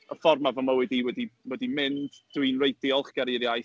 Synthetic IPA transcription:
əfɔrmavɔməwɛdiwɛdiwɛdimɪndd̥winrejdɪɔlˠχɡ̥aɾiɾjaj

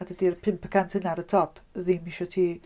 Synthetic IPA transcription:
adədirpʰɪmpʰə̥kʰantʰɪnaɾətʰɔpʰðimiʃɔtʰiː

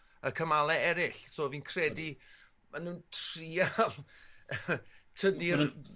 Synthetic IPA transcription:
əkʰəmalˠɛɛɾɪɬsoːviːnkʰrɛdi | manuːntʰrialˠ | tʰədi

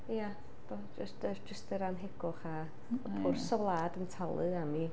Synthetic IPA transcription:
ja | b̥ɔd͡ʒəsɨsd͡ʒəstɨɾanɦeɡ̥ʊχa | ɔpʰʊrsɔvlˠaːdəntʰalˠɨami

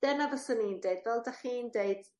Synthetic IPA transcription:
d̥ɛrnavɔsʊnindeɨdvɛlˠdaχiːndeɨd̥

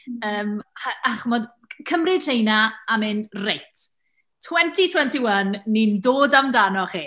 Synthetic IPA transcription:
əːmhaʔaχmɔd | kʰəmrɪd̥r̥ejnaamɪndrejtʰ | tʰːwɛntʰitʰwɛntʰɪwənːindoːdamdanɔχiː

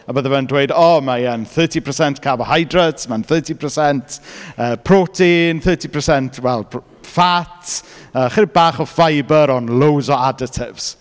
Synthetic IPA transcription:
abəːðəmandwejdɔmaənθəːtʰipʰəsɛntkʰavhajdrətmanθəːtʰipʰəsɛntʰəːpʰrotʰenθɜːtipʰəsɛntʰwɛlˠ | fatəːχəɾɪbaːχɔfajbəɾɔnlˠowzɔadɪtʰɪvz̥

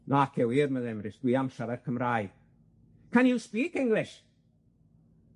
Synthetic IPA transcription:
nakʰɛwiːrməðɛmrɪsɡ̥wiːamʃavərkʰəmraːɨ | kʰanispiːkɪŋlˠɪʃ

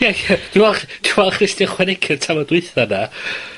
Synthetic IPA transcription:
jajəd̥ɪwɛlˠχd̥ɪwɛlˠχrɪstɪχwɛnɪkʰɪrtʰamɔdwɨθana

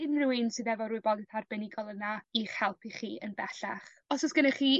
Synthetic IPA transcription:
ɪnruɨnsɨðɛvɔɾuːɨbɔdɪθarbɛnɪɡɔlˠənaiχɛlˠpʰiχiːə̰nbɛɬaχ | ɔsɔsɡ̥ənaχiː

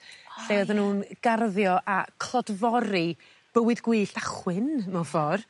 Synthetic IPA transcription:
ɬeðənhuːnɡ̥arðjɔʔakʰlˠɔdvɔɾi | b̥əwɨðɡwɨːɬaχwɨnmɛfɔr

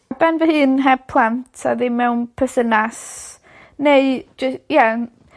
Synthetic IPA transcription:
bɛnvəhɨːnɦɛb̚pʰlˠantʰa̰ðɪmːɛwnpʰəsənas | neɨd͡ʒəja

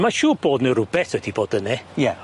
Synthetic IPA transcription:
maʃuːb̥oːdnəɾʊbɛθɔdiboːdənɛjɛ

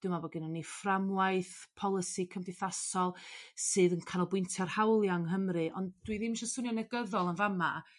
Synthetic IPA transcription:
d̥ɨmabɔɡɪnɔnːiframwajθpʰɔlˠɪsikʰəmdɨθasɔlˠsɨːðənkʰanɔlˠbwɪntʰɛrhawlˠjaŋɦəmrɨʔɔndd̥wiðimʃɔsʊnjɔnɛɡəðɔlˠənvama

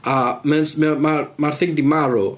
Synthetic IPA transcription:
amɛnsmɛɔmarmarθɪŋk̚dimaɾu

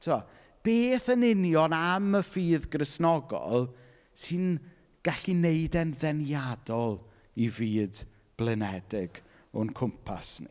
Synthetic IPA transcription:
tʰua | b̥eːθənɪnjɔnaməfiːðɡrɪsnɔɡɔ̰lˠ | sɨn | ɡ̥aɬineɨdɛnðɛnjadɔlˠ | iviːd | b̥lˠɛnɛdɪɡ | ɔnkʰʊmpʰa̰snḭ

